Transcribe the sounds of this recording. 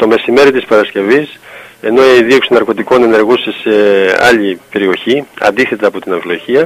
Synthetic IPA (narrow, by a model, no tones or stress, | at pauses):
t̪o̞me̞sime̞ɾit̪ispɐɾɐsce̞vise̞no̞eiðio̞ksinɐɾko̞t̪iko̞ne̞ne̞ɾɣusese̞ɐ̰ʎipe̞ɾio̞çiɐ̰nd̪iθe̞t̪ɐːpo̞t̪inɐɱfilo̞çiɐ